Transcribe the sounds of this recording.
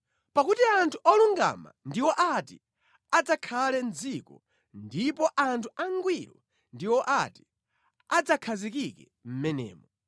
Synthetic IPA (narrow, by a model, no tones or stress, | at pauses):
pakutiantʰuʔɔluŋɡa̰ma̰ndiwɔʔatḭ | ad͡zakʰalɛnd͡zikɔ̰ | ndipɔʔantʰuaŋɡwiɾɔ | ndiwɔʔati̥ | ad͡zakʰazikikɛ | m̩mɛnɛ̰ːmɔ